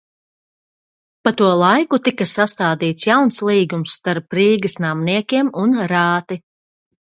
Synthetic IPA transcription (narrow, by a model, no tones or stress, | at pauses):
pat̪uɔlˠajkut̪ikɐsast̪aːd̪iːt̪sjawnslˠiːɡumsːt̪aɾpːɾiːɡɐsnamniɛkʲiɛmunɾaːt̪i